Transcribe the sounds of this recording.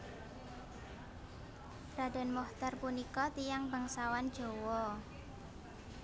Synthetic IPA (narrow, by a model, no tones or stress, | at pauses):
ɾadɛ̤nmɔht̪arpunikɔt̪ijaŋbaŋsawand̥d͡ʒ̥o̤wɔ